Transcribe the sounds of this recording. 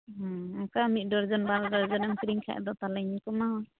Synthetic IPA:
ɦɔɔkamit̪̚ˀdɔɾd͡ʒɔnbaɾdɔɾd͡ʒɔnɛmkɾiŋkʰa̰ʔd̪ɔt̪alɛɲikɔmaɦɔ

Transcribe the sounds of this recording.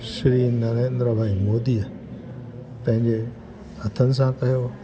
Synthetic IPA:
ʃɾiːnːanend̪ɾobʱaːimoːd̪iːə | pɐ̃ɦɪ̃ɲd͡ʑe | hɐt̪ʰənɪ̆s̬ãkɐɦjoː

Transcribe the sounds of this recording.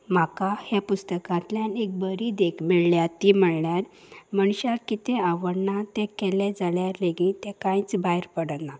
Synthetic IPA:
m̤akahjapust̪əkãnt̪ljãnek̚bəɾid̪ekʰmiɭljat̪im̤əɭɳjaɾ | məɳɕakit̪ʰẽaʋəɽnat̪ɛ̃kɛlɛd͡zaljaɾleɡĩt̪ɛ̃kãjĩt͡sbajɾpəɽəna

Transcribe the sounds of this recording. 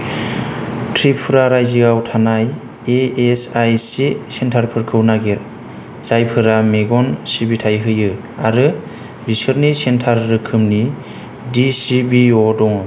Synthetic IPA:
tʰɾipʰːɯɾaɾajziɡawtʰanaj | eesajsisentʰaɾpʰɯɾkʰɯwnaɡiɾ | z̥ajpʰɯɾameɡɔnsibitʰajɦɯjɯ | aɾɯ | bisɯɾnisentʰaɾːɯkʰɯmni | disibiɔdɔŋ

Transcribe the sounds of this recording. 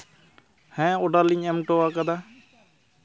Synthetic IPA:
hɛ̃ːoɖaliɲemʈoaːkəd̪aː

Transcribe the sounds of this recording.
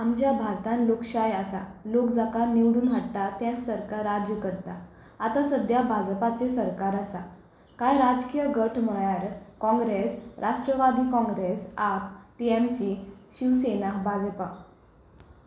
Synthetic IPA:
amd͡ʑjabʱaɾt̪ãnlokɕajasa̰lokd͡zakaniʋɽuːnɦaɽtat̪jãnsəɾkaɾad͡ʑjəkəɾt̪a | at̪asəd̪jabʱad͡zpat͡sesəɾkaɾasa | kajɾad͡zkijəɡəʈʰməɭaɾkɔ̃ŋɡɾesɾʔaʂʈɾəʋad̪iːkɔ̃ŋɡɾesap̚piɛmsiɕiʋsenaɦbʱad͡zpa

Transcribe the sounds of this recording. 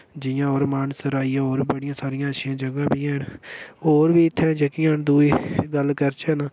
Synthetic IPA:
d͡ʒɪjãːoːɾmaːnsəɾaːijãːoːɾbəɽɪjãːsaːɾɪjãːəʃɪjãːd͡ʒəɡãːbɪjãːɦɪnoːɾbiːɪt̪ʰːɛ̃ːd͡ʒəkɪjãːnd̪uːiːɡəlkəɾt͡ʃɛːnaː

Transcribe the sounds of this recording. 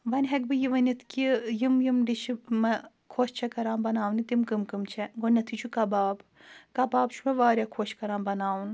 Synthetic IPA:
ʋɐnʲɦɐk̚bɨjiʋɐnit̪ʰkijimjimɖit͡ʃʰimɐ | kʰoːʃt͡ʃʰɛkɐɾaːmbɐnaːʋwnit̪imkɨmkɨmt͡ʃʰɛɡonʲɐt̪ʰit͡ʃʰukɐbaːb | kɐbaːbt͡ʃʰumɐʋaːɾʲjaːkʰoːʃkɐɾaːmbɐnaːun

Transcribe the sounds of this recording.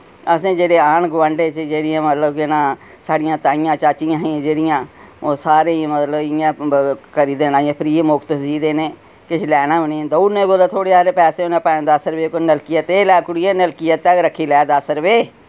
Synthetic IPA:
əsẽːd͡ʒeːɽeːaːnɡʋəɳɖeːt͡ʃd͡ʒeːɽɪjãːmət̪ləbkɪnãː | saːɽɪjãːt̪ãːɪjãːt͡ʃaːt͡ʃɪjãːɦĩːd͡ʒeːɽɪjãː | oːsaːɾẽːmət̪ləbjãːkəɾiːd̪eːnãːãːpʰɪɾiːemʊkt̪siːd̪eːneː | kɪt͡ʃʰlɛːnãːʊnẽd̪ounẽːɡolaːt̪ʰoːɽeːaːɾeːpɛːseːoːnẽːpaːnd̪aːsəɾʋeːkonəlkɪjət̪eːlɛːkʊɽiːeːnəlkɪjət̪ːɛkɾəkʰːiːlɛːd̪asəɾʋeː

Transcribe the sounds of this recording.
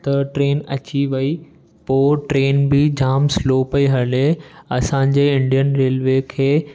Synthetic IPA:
t̪ɐʈɾeːnɐ̰t͡ɕiʋɐi | poːʈɾeːnbɪd͡ʑaːmsloːpɐiɦɐleɐsãɲd͡ʑeɪ̃ɳɖijənɾeːlʋekʰeː

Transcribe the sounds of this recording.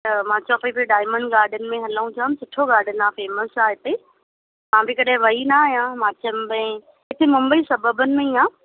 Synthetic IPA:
t̪ɐmãːt͡ɕɔːpepiɖaːɪmə̃ɳɖɡaːɾɖʱənɪ̆mẽɦɐləũt̪ʰaːmsʊʈʰoɡaːɾɖʱənɪaːfeːməsaːɦɪt̪e | mãːbikɐɗɦɪ̃ʋɐɦinaːjãːmãːt͡ɕɐmbə̃ | ɪt̪ʰemʊ̃mbəisɐbəbənɪ̆mẽĩãː

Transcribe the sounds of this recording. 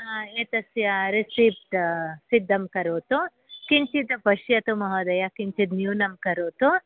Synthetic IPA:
eːt̪ɐsjɐɾisiːp̚ʈsid̪ʱːɐmkɐɾoːt̪u | kint͡ʃit̪ɐpɐʃjɐt̪umɐɦɐːd̪ɐjɐkint͡ʃit̪̬njuːnɐmkɐɾoːt̪u

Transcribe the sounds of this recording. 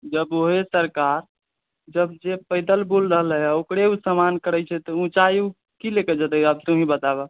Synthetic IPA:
d͡ʒəboɦesəɾkaɾ | d͡ʒəbd͡ʒepəɪd̪əlbulɾəɦəlɦɛaokɽeusəmankəɾət͡ʃʰɛt̪ɔũt͡ʃaju | kilekɛd͡ʒət̪ɛəb̚t̪uɦĩbət̪abə

